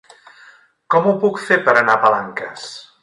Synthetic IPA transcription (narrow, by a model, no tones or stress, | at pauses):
kɔmupukfepəɾənapəlaŋkə̰s